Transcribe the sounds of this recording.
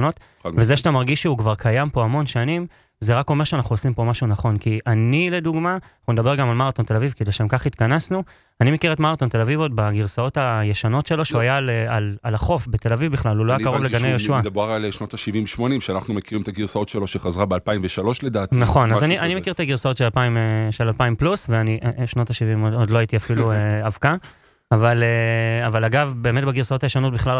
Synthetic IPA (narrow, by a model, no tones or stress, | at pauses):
no̞t | vezeʃat̪amaʁɡiʃeukvaʁkʰajampo̞amo̞nʃanim | zeʁako̞meʁʃeanaχnuosimpo̞maʃunaχo̞nkiʔanile̞d̪uɡmanaχund̪abe̞ʁɡamalmaʁat̪o̞nt̪e̞lavivkedeʃemkaχit̪kanasnu | animekiʁetmaʁat̪o̞nt̪e̞lavivot̚baɡiʁsao̞tajeʃano̞tʃe̞lo̞ʃeuajalealalaχo̞fbet̪e̞lavivbiχlaluloajakaʁovleɡanejoʃuad̪boaʁalʃnot̪aʃivimveʃmo̞nimʃeanaχnumekiʁimet̪aɡiʁsaotʃeloʃeχazʁabealpaimveʃalo̞ʃled̪aːt̪inaχo̞nazaniʔanimekiʁt̪aɡiʁsaotʃealpaimeʃelalpaimplusveaniʔʃno̞t̪aʃivimod̪loait̪iafilueavka | avaleavalaɡavbe̞ːmetbaɡiʁsao̞t̪ajeʃano̞t̚biχlal